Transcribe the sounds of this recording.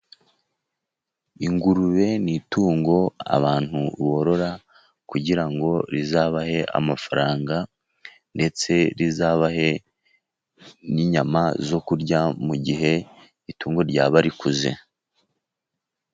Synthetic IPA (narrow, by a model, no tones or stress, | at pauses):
iŋɡuɾuβe̞nituːŋɡo̞a̰βaːn̥huβo̞ɾo̞ɾa | kuɟiɾaŋɡo̞ɾizaːβahe̞ʔa̰mafaɾaːŋɡa | nde̞t͡se̞ɾizaːβahe̞ | niɲamazo̞kuɾɟamuɟiɦe̞ | ituːŋɡo̞ɾɟaːβaɾikuzḛ